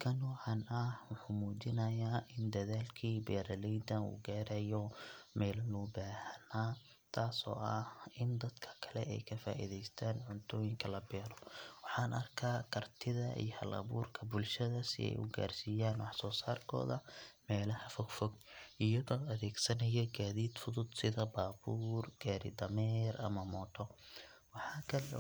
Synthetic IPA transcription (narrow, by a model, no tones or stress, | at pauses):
kʰɐnɔːʕɑnɐhwʊħuːmuːt͡ʃɪnɐjaːʔɪnd̪ɐðaːlkʰiːbɛːɾɐlɛjd̪ɐnṵːɡaːɾɛjɔmɛːlɐnɔbaːhɐnaː | t̪ʰaːsɔ̰ːʔɐhɪnd̪ɐd̪kʰɐ̥kʰɐ̥lɛ̰ɛjkʰɐfa̰ːʔḭðɛjst̪ʰaːnʕʊnt̪ʰɔːjɪŋkʰɐlɐbɛːɾɔwɑħɑːnɐrkʰaːkʰɐrt̪ʰɪðɐḭjhɐ̰lɐ̰βuːrkʰɐbʊlʃɐðɐsɪ̰ɛ̰jʔʊ̰ɡa̰ːrsiːjaːnwɑħsɔːsaːrkʰɔ̰ːðɐ̰mɛːlɐhɐfɔɡfɔɡɪjɐðɔːɐðɛːɡsɐnɐjɛɡaːðiːd̪fʊðʊd̪sɪðɐbaːbuːrɡ̥aːɾɪ̰d̪ɐmɛːrʔɐ̰mɐmɔːt̪ʰɔ | wɑħɑːkʰɐlɛ